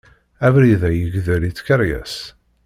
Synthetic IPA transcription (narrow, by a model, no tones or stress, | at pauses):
ævɾiðæjəɡðəlit͡sːkəɾjæ̰s